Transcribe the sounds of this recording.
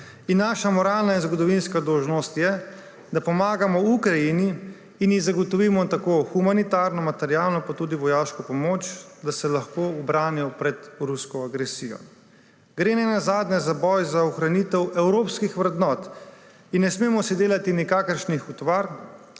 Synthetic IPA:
inːaʃamɔɾaːlnainzɡɔd̪ɔʋinskad̪ɔwʒnɔst̪jɛ | d̪apɔmaːɡamɔukɾajiniː | njizaɡɔt̪ɔʋiːmɔt̪akoːxumanit̪aːɾnɔmat̪ɛɾijaːlnɔpat̪uːd̪iʋɔjaːʃkɔpɔmoːt͡ʃd̪asɛlaxkoɔbɾaːnijɔpɾɛt̪ɾuskɔaɡɾɛsijɔ̰ | ɡɾeːnɛnazaːd̪nɛzabɔjzaɔxɾanit̪ɛwɛwɾoːpskixʋɾɛd̪nɔːt̪ | inːɛsmeːmɔsid̪eːlat̪inikaːkəɾʃnixut̪ʋaɾ

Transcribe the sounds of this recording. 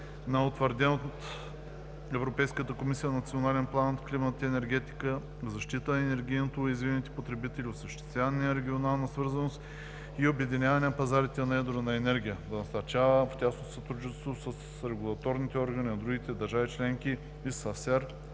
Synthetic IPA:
nɐot̪vəɾd̪ʲɛnot̪ | ɛvɾopɛjskət̪əkomisijənɐt̪sʲionalɛnplˠant̪klimɐt̪t̪iɛnɛɾɡʲɛt̪i̥kə | zɐʃt̪it̪ənɐɛnɛɾɡ̟ʲijnot̪oizvinʲit̪ɛ̥pot̪ɾɛbit̪ɛlʲiosɛʃt̪ɛ̥st̪vʲanijəɾɛɡʲionalˠnɐsvɤɾzɐnost̪ | iobɛd̪inʲavɐnʲɛnɐpɐzaɾit̪ɛnɐɛd̪oɾənɐɛnɛɾɡʲijəd̪ɐnɐsɐɾt͡ʃavəftʲasnosɐt̪ɾud͡ʒnit̪ɛst̪vosəs | ɾɛɡulˠɐt̪ɔɾnit̪ɛɔɾɡɐninɐd̪ɾuɡ̟ʲit̪ɛd̪ɐɾʒavit͡ʃlɛŋkʲi | isɐsɛɾ

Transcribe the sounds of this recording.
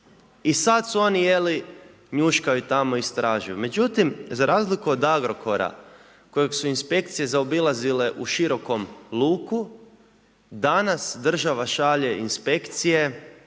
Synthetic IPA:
isat̪suo̞nije̞li | ɲuʃkajut̪amo̞ist̪ɾaːʒujume̞d͡ʒut̪imzaɾʔaːzlikuod̪aɡɾo̞kʰo̞ɾa̰ | ko̞jeɡsuinspe̞kt̪sije̞zaobilˠazile̞ʔuʃiɾo̞ko̞mlˠuːku | d̪anasd̪r̩ʒaʋaʃaʎe̞ʔinspe̞kt̪sije̞

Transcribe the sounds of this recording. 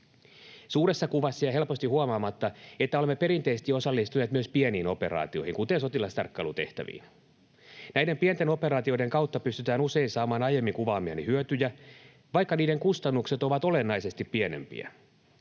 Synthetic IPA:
suːɾe̞sːɑkuʋɑsːɑjɑɦe̞lpo̞st̪ihuɑmɑːmɑt̪ːɑet̪ːæolemːepe̞ɾint̪eiset̪io̞sɑlːist̪uneːt̪myøspieniːno̞pe̞ɾɑ̰ːt̪io̞̰hiŋkut̪enso̞t̪ilɑst̪ɑ̰rkːɑ̰ːlut̪eht̪æ̰ʋḭːn | næjde̞mpient̪e̞no̞pe̞ɾɑːt̪iojde̞ŋkɑwt̪ːɑpyst̪yt̪æːnuse̞insɑːmɑːnɑjemːiŋkuʋɑːmiɑ̰nihyøt̪yjæ | ʋɑjkːɑniːde̞ŋkust̪ɑnːukse̞t̪oʋɑt̪olenːɑise̞st̪ippiene̞̰mpḭæ̰

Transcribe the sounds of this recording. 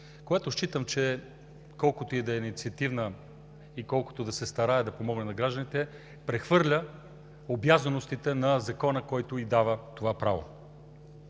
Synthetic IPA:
koɡat̪oʃt͡ʃit̪əmt͡ʃɛ | kɔlˠkot̪oid̪ɐɛnʲit̪siɐt̪ivnə | ikɔlˠko̥t̪od̪ɐsɛst̪ɐɾaɛd̪ɐpomɔɡnɛnɐɡɾaʒd̪ənit̪ɛ | pɾɛxvɤɾlʲə | objazənost̪it̪ɛnɐzɐkɔnəkɔjt̪oid̪avət̪ovapɾavo̰

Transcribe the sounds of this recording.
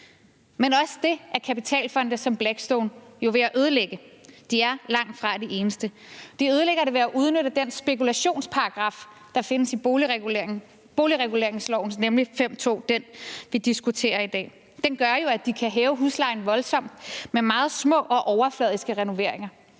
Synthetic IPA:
menɒ̽sə̥d̥e̝ʔæɐkʰæpit͡sʰɛ̰ːlfɒ̽n̰d̥əsɒ̽mb̥læɡ̥sd̥ɔʊnjo̝ʋe̝æʔøð̞ˠəleɡ̥əd̥iæɐlɑ̈ŋ̰d̥fʁɑ̈d̥iʔe̝ːnəsd̥əd̥iøð̞ˠəleɡ̥ɐɾe̝ʋe̝æʔuð̞ˠnøɾ̥əd̥ensb̥e̝kulæɕo̝̰ːnspʰɑ̈ʁɑ̈ɡ̥ʁɑ̈f | d̥ɑ̈fe̝nəsi | b̥o̝ːliʁɛɡ̥ule̝ɐ̰eŋslɒʊ̰n̩snemlifem̰t͡sʰo̝̰ːd̥enʋid̥isɡ̥ut͡sʰe̝̰ːɐid̥ɛ̰ː | d̥enɡ̥ɶɐjo̝æd̥ikʰæɦɛːʊɦuslɑ̈ɪn̩ʋɒ̽lsɒ̽m̰d̥memɑ̈ːð̞̩ˠsmɔ̰̽ʔɒ̽ʔɒʊɐflɛð̞ˠisɡ̥əʁɛno̝ʋe̝ɐ̰e̝ŋɐ

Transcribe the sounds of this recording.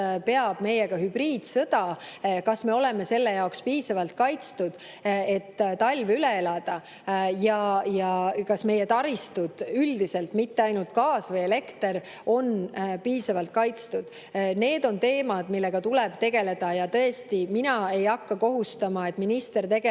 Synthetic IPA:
pe̞ɑb̥me̞jeɡ̥ɑhybriːd̪̥sɤ̞d̪̥ɑ | kɑsme̞o̞leme̞se̞lːe̞jɑokspiːsɑvɑlt̪̚kɑjt̪st̪ud̪̥ | e̞t̪ːt̪ɑlʲvylee̞lɑd̪̥ɑ | jɑjɑkɑsme̞jet̪ɑɾist̪ud̪̥yld̪ise̞lt̪mit̪ːe̞ɑjnult̪̚kɑːsvɤjele̞kt̪e̞ɾ | o̞npiːsɑvɑlt̪̚kɑjt̪st̪ud̪̥ | ne̞ːd̪̥o̞nt̪e̞ːmɑd̪̥milːe̞ɡ̥ɑt̪ulɛb̥t̪e̞ɡ̥e̞le̞d̪̥ɑjɑt̪ɤ̞e̞st̪iminɑe̞jɑkːɑko̞ɦust̪ɑmɑe̞t̪ːˑminist̪e̞rt̪e̞ɡe

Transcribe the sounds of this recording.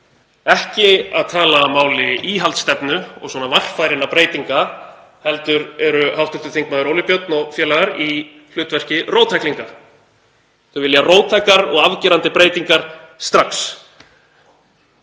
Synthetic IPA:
ɛhcɪaðt̪ʰaːlaːmaːwlɪiːɦalt̪st̪ɛpnʏɔ̰ɣswɔːnavar̥kfajɾɪnapɾeːjt̪iŋka | hɛlt̪ʏɾɛɾʏhawht̪ʏft̪ʏ̥θiŋkmaðʏɾoːwlɪpjœt̪̚nɔɣfjɛːlaɣaɾi | l̥ʏːt̪vɛr̥cɪroːwt̪ʰajkliŋka | θœvɪljaroːwt̪ʰːajkaɾɔ̰ɣavcɛːɾant̪ɪpɾeːjt̪iŋkaɾ̥ | st̪ɾaks

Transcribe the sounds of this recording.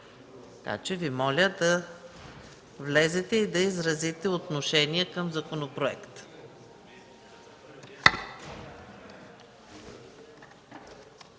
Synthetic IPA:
t̪ɐka̰t͡ʃɛvimɔlʲəd̪ɐ | vlɛzɛt̪ɛid̪ɐizɾɐzit̪ɛot̪noʃɛniəkəmzɐkonopɾoɛkt̪

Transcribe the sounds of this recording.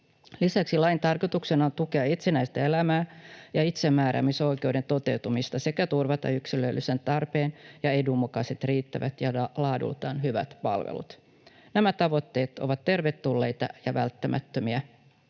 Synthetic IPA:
lisæksilɑint̪ɑrkot̪uksenɑont̪ukeɑit̪sinæjst̪æelæmæːjɑit̪semːæːɾæ̰miso̞jke̞wde̞nt̪o̞t̪ewt̪umist̪ɑse̞kæt̪urʋɑt̪ɑ̰yksiløylːysent̪ɑrpeːnjɑe̞dumːukɑset̪riːt̪ːæʋæt̪jɑlɑːdṵlt̪ɑːnɦyʋæ̰t̪pɑ̰lʋḛlṵt̪ | næmæt̪ɑʋo̞t̪ːe̞ːt̪o̰ʋɑt̪te̞rʋet̪ːulːe̞jt̪ɑ̰jɑʋælt̪ːæmʔæ̰t̪ːømiæ

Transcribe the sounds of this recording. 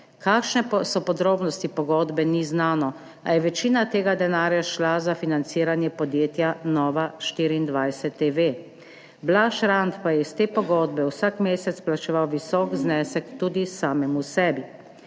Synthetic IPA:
kaːkʃnɛsɔpɔd̪ɾoːbnɔst̪ipɔɡɔːd̪bɛniznaːnɔ | a̰jɛʋɛt͡ʃiːnat̪eːɡad̪ɛnaːɾjaʃlazafinant̪siːɾanjɛpɔd̪jeːt̪janɔːʋaʃt̪iːɾiːnd̪ʋajsɛt̪ːeʋe | blaʃɾant̪pajɛist̪eːpɔɡɔːd̪bɛwsakmeːsɛt̪splat͡ʃɛʋawʋisɔːkznɛːsɛkt̪uːd̪isaːmɛmusɛːbi

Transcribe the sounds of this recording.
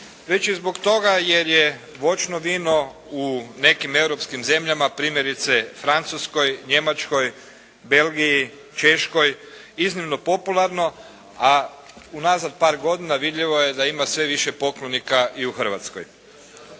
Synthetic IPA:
ʋe̞t͡ɕizbo̞kt̪o̞ɡaje̞ɾje | ʋo̞t͡ʃno̞ʋiːno̞une̞kime̞wɾo̞pskimze̞mʎamapɾiːmjeɾit̪se̞fɾant̪susko̞jɲe̞mat͡ʃko̞j | be̞lɡiji | t͡ʃe̞ʃko̞j | iznimno̞po̞pulˠaɾno̞ | aunazad̪̚paːɾɡo̞d̪inaʋid̪ʎiʋo̞je̞d̪aimasʋe̞ʋiʃepo̞klonikaʔiuxər̩ʋa̰t̪sko̰j

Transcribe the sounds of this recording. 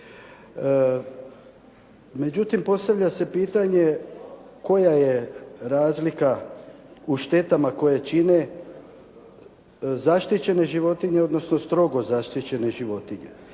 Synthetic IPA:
me̞d͡ʑut̪impo̞st̪aʋʎʲase̞piːt̪aɲe̞ | ko̞jajeɾaːzlika | uʃt̪e̞t̪amako̞jat͡ʃine̞ | zaʃt̪it͡ɕe̞ne̞ʒiʋo̞t̪iɲe̞o̞d̪no̞sno̞st̪ɾo̞ɡo̞zaʃt̪it͡ɕe̞ne̞ʒiʋo̞t̪iɲe̞̰

